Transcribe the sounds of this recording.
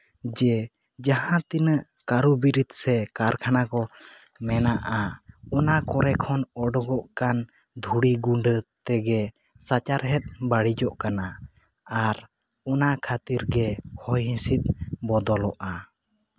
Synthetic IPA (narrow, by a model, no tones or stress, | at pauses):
d͡ʒɛ | d͡ʒaɦãt̪inəʔ | kaɾubiɾit̪sɛkaɾkʰanakɔ | mɛnaʔaɔnakɔɾɛkʰɔnɔɖɔɡɔʔkan | d̪ʱuɽiɡuɳɖət̪ɛɡɛ | sat͡ʃaɾɦɛt̪̚ˀbaɽid͡ʒɔʔkana | aɾ | ɔnakʰat̪iɾɡɛhɔjɦĩsit̪̚bɔd̪ɔlɔʔa